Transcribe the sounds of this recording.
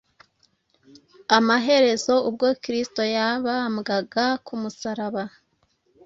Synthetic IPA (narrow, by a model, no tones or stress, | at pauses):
amaɦe̞ɾe̞zo̞ubɡo̞kiɾisto̞jaβamɡaɡakumusaɾaβa